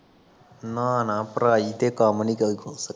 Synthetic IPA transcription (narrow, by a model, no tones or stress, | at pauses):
nanãpɾaːit̪ekaːmənikːiɡʱosə